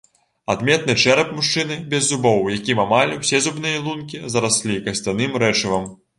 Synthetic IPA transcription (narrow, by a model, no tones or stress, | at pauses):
ad̪mʲɛt̪̚nɨt͡ʂɛɾɐpmuʂt͡ʂɨnɨbʲɛzːubɔwjakʲimamalʲwsʲɛzubnɨjɐlˠunkʲizɐɾasʲlʲikɐsʲt̪ʲanɨmɾɛt͡ʂɨvɐm